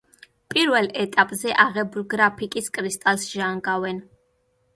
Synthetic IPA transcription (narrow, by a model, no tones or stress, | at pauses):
pʼiɾvɛlˠɛt̪ʼapʼzɛʔaʁɛbulɡɾapʰikʼiskʼɾist̪ʼalˠsʒaŋɡavɛn